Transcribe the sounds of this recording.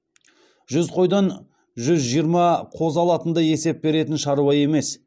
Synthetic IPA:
ʒʏzqʰo̞jd̪ɑn | ʒʏzʒijəɾmɑqʰo̞zɑlˠɑt̪ənd̪ɑje̞se̞p̚be̞ɾe̞t̪ɪnʃɑɾuwɑje̞me̞s

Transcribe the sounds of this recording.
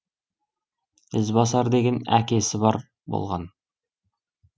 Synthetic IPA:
ɘzbɑsɑɾd̪eɡʲenæ̰kesɘbɑɾ | bo̰lˠʁɑn

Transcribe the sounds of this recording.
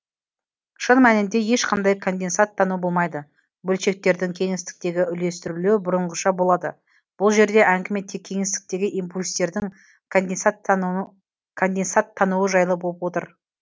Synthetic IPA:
ʃənmænɪnd̪e̞je̞ʃqʰɑnd̪ɑjkʰo̞nd̪e̞nsɑt̪ʰːɑnubo̞lˠmɑjd̪ə | bɵlʃe̞k̚t̪e̞ɾd̪ɪŋkʲʰe̞ŋɪst̪ɪ̥k̚t̪e̞ɡʲɪʏle̞st̪ɪɾulubʊɾəɴʁəʃɑbo̞lˠɑd̪ə | b̥ʊlˠʒe̞ɾd̪e̞ʔæŋɡʲɪme̞t̪ːekʲʰe̞ŋest̪ɪ̥k̚t̪e̞ɡʲɪʔimpulʲst̪e̞ɾd̪ɪŋ | nenst̪ | kʰo̞nd̪e̞nsɑt̪ʰːɑnuwəʒɑjlˠəbolˠəp̚wo̞t̪ə̰ɾ

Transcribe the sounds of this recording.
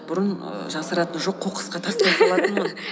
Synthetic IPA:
b̥ʊɾənə̰ʒɑsəɾɑt̪ənʒo̞qʰːoqʰə̥sqɑt̪ʰɑst̪lolˠɑt̪ənmən

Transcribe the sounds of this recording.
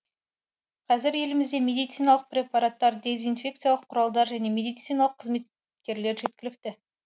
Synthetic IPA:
qʰɑzɪɾje̞lɪmɪzd̪e̞me̞d̪ijt̪sijnɑlˠəq̚prʲe̞pɑɾat̪ːɑɾd̪e̞zijnfʲe̞kt̪sɨjalˠəqʰːʊɾɑlˠd̪ɑɾʒæne̞me̞d̪ijt̪sijnɑlˠəqʰːəzme̞t̪ | kʲe̞ɾle̞ɾʒe̞t̪̚kʲɪlɪk̚t̪ɪ

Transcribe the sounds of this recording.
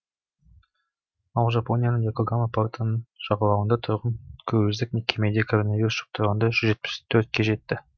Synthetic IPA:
ɑlˠʒɐponʲɪjanɯnjakoɡamapaɾt̪ʰanɯnʃɑʁɑlˠɑwənd̪ɑt̪ʰuɾʁɑnkʰɵββɪzd̪ɪknʲikʲemʲed̪ʲɪjakoɾonavʲiɾust̪u̥q̚t̪ʰʊɾʁɑnd̪ɑʃyd͡ʒe̞t̪̚pɪ̥st̪ʰøɾt̪̚kʲeʒe̞t̪ːɪ

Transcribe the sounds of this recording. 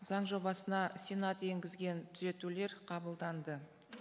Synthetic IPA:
zɑɴʒo̞bɑsənɑsʲenɑt̪e̞ŋɡʲɪzɡʲe̞nt̪ʰʏze̞t̪ule̞ɾqʰɑbəlˠd̪ɑnd̪ə

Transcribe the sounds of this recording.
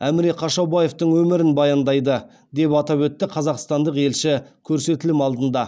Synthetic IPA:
æmɪɾeqʰɑʃɑbɑje̞ft̪əɴwɵmɪɾɪnbɑjɑnd̪ɑjd̪ə | d̪e̞pɑt̪ɑpwɵt̪ːɪqʰɑzɑqst̪ɑnd̪əqe̞lʃɪkʲʰɵɾse̞t̪ɪlɪmɑlˠd̪ənd̪ɑ

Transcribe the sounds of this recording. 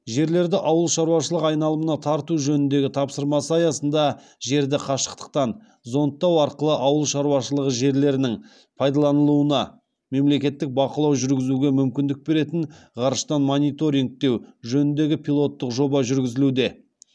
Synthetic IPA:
ʒe̞ɾle̞ɾd̪ɪʔɑwəlˠʃɑɾuwɑʃəlˠəqɑjnɑlˠəmənɑt̪ʰɑɾt̪uʒɵnɪnd̪e̞ɡʲɪt̪ʰɑpsəɾmɑsəɑjɑsənd̪ɑ | ʒe̞ɾd̪ɪqʰɑʃə̥qt̪ə̥q̚t̪ɑn | zo̞nt̪ːɑwɑɾqəlˠəʔɑwəlˠʃɑɾwɑʃəlˠəʁəʒe̞ɾle̞ɾɪnɪŋ | pʰɑjd̪ɑlˠɑnəlˠuənɑ | me̞mle̞kʲe̞t̪ːɪk̚bɑqəlˠɑwʒʏɾɡʲɪzuɡʲe̞mʏmkʲɪnd̪ɪk̚be̞ɾe̞t̪ɪɴʁɑɾʃt̪ɑnmo̞nijt̪o̞ɾiŋk̚t̪e̞wʒɵnɪnd̪e̞ɡʲɪpʰʲijlˠo̞t̪ːəqʒo̞bɑʒʏɾɡʲɪzɪlud̪e̞

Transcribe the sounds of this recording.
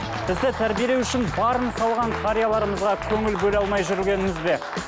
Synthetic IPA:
b̥ɪzd̪ɪt̪ʰæɾbijelewʏʃɪnbɑɾənsɑlˠʁɑɴkʰaɾijalˠɑɾəməzʁɑkʲʰɵŋɪlbɵlɑlˠmɑjʒʏɾɪlʲɡʲe̞nɪmɪzbe̞

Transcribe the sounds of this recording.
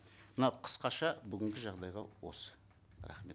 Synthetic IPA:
mənɑqʰə̥sqɑʃɑbʏɡʲɪŋɡʲɪʒɑʁd̪ɑjʁɑwo̰s | ɾɑ̰χme̞t̪

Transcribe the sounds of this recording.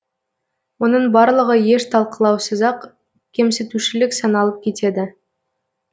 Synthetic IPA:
wo̞nəɴbɑɾlˠəʁəje̞ʃt̪ʰɑlˠqəlˠɑwsəzɑq | kʲʰe̞mset̪uʃɪlɪksɑnɑlˠəp̚kʲʰe̞t̪e̞d̪ɪ

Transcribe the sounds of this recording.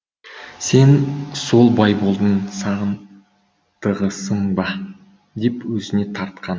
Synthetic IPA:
se̞nso̞lˠbɑjbo̞lˠd̪ənsɑʁən | t̪ʰəʁəsəɴbɑ | d̪e̞pwɵzɪne̞t̪ʰɑɾt̪̚qɑn

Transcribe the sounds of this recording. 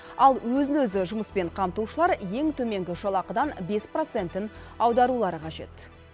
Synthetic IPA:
ɑlˠwɵzɪnwɵzɪʒʊməspe̞ɴqʰɑmt̪uʃəlˠɑɾje̞ŋt̪ʰɵme̞ŋɡʲɪʃɑlˠɑqəd̪ɑnbe̞spro̞t̪se̞nt̪ɪn | ɑwd̪ɑɾulˠɑɾəqʰɑʒe̞̰t̪

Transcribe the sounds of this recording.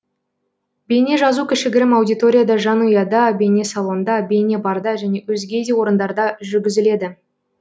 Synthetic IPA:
be̞jne̞ʒɑzukʲʰɪʃɪɡʲɪɾɪmɑwd̪ijt̪o̞ɾʲijad̪ɑʒɑnujɑd̪ɑbe̞ne̞sɑlˠond̪ɑbe̞ne̞bɑɾd̪ɑʒæne̞wɵzɡʲe̞d̪e̞wo̞ɾənd̪ɑɾd̪ɑʒʏɾɡʲɪzɪle̞d̪ɪ

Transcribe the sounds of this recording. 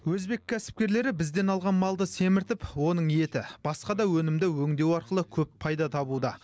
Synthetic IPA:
wɵzbe̞kʲʰːæsɪ̥p̚kʲe̞ɾle̞ɾɪbɪzd̪e̞nɑlˠʁɑnmɑlˠd̪əse̞mɪɾt̪ɪpwo̞nəɴe̞t̪ɪb̥ɑsqɑd̪ɑwɵnɪmd̪ɪwɵŋd̪e̞wɑɾqəlˠəkʲʰɵppʰɑjd̪ɑt̪ʰɑbud̪ɑ

